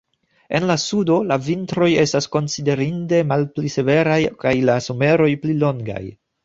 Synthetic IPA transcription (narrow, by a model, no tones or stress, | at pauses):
e̞nlasudo̞lavintɾo̞je̞stasko̞nside̞ɾinde̞malplise̞ve̞ɾajkajlaso̞me̞ɾo̞jplilo̞ŋɡa̰j